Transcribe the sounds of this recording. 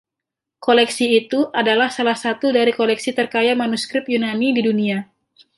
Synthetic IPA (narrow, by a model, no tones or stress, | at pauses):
kolɛksiːt̪uʔadalahsalahsat̪udaɾikolɛksit̪ərkajamanuskɾɪp̚junanididunia